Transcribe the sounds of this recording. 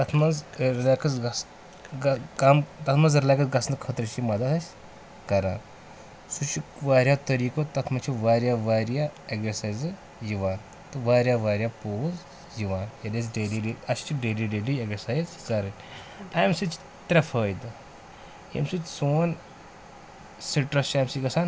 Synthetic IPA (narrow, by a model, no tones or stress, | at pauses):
t̪ɐt̪ʰmɐzɾlakɐsɡɐs | ɡkamt̪ɐt̪ʰmɐzɾilaːkɐsɡɐsnd̪kʰət̪ɾɐt͡ʃimɐd̪ɐt̪ɐsʲ | kɐɾa̰ːn | sut͡ʃikʋaːɾʲjat̪ɐɾiːkot̪ɐt̪ʰmɐt͡ʃʰiʋaːɾʲjaʋaːɾjaeksɐsaːjz | d͡ʒiʋaːn | t̪ɨʋaɾjaʋaɾjapoz | d͡ʒiʋaːnjed̪esɖeliɖiɐst͡ʃiɖeliɖelieksɐsajzkɐɾən | ajmsit͡ʃ | t̪ɾɐfʰəjd̪ | ḛmsit̪soːn | siʈɾɐst͡ʃamsiɡɐsan